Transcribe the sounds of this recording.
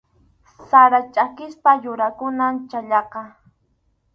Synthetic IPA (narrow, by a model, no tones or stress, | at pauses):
saɾat͡ʃʼakɪspajʊɾakʊnamt͡ʃaʎɑqɑ